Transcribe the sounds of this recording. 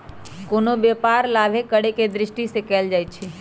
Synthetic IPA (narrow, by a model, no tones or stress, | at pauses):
koːnobjepaːɾlaːbʱekəɽeked̪ɾɪʃʈisekɛːld͡ʒaːjt͡ʃʰi